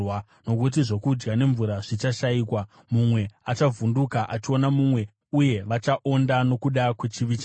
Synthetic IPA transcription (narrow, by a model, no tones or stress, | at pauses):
wa | no̞k̬ut̬iʐo̞kud͡ʒɡane̞ɱvuɾaʐ̥it͡ʃaʃaiːkwa | mumwe̞at͡ʃavundukaʔat͡ʃio̞namumwe̞ | uje̞ʋat͡ʃaʔo̞ndano̞kuɗakwet͡ʃiʋit͡ʃa